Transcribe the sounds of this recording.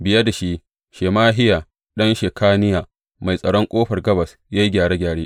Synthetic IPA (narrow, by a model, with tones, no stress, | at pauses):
bɪ˨ja˦da˨ʃi˦ | ʃeː˨maː˦ɦɪ˦jaː˨ | ɗɐ˦nʃeː˨kʰaː˦nɪ˦jaː˨ | ma˨jsʼɐ˨ɽɔ˦ŋkʷʼoː˦ɸɐ˨rɡɐ˦bɐ˨s | ja˦jɡʲaː˨ɽeː˦ɡʲaː˨ɽeː˦ʔ